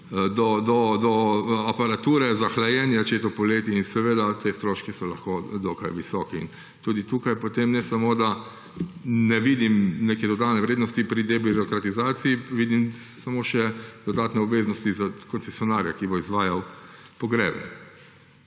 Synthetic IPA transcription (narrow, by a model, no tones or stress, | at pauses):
d̪ɔd̪ɔd̪ɔapaɾat̪uːɾɛzaxlajɛːnjat͡ʃeːt̪ɔpɔleːt̪iinsɛʋeːd̪at̪ʰest̪ɾoːʃkisɔlaxkod̪ɔkajʋisɔːkiḭn | t̪uːd̪it̪uːkajpɔt̪eːmnɛsamoːd̪a | nɛʋiːd̪imneːkɛd̪ɔd̪aːt̪nɛʋɾeːd̪nɔst̪ipɾid̪ɛbiɾɔkɾat̪izaːt̪siiʋiːd̪imsamoːʃɛd̪ɔd̪aːt̪nɛɔbʋeːznɔst̪izakɔnt̪sɛsjɔnaɾjakibɔizʋaːjaw | pɔɡɾɛ̰ːbɛ̰